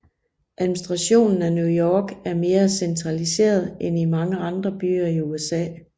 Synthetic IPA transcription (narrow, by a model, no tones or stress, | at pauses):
ʔæðˠminsd̥ʁɑ̈ɕo̝̰ːnn̩ænjujɒːɡ̥æɐme̝ːɐsent͡sʰʁɑ̈lise̝̰ːɐðˠenimɑ̈ŋəɑ̈nd̥ʁɐb̥y̰ːɐiuesɛ̰ː